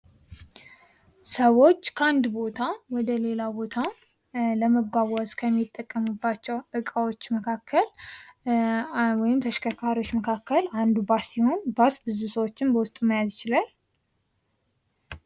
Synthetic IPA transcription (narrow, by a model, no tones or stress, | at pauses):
səwo̞t͡ʃːkʰəand̪bo̞t̪ʰawɔd̪əle̞labo̞t̪ʰa | ləməɡʷaβɔskʰəmːit̪ʼːəkʼːəmɨbːat͡ʃːɛwʔɨkʼawot͡ʃːməkʰakʰːəl | wɔjɪmt̪ʰəʃkʰəkʰaɾiwot͡ʃːməkʰakʰːəland̪ubasːiho̞nbasbɨzusəwot͡ʃːɪmbəwʊst̪ʼuməjazjɪt͡ʃɪlal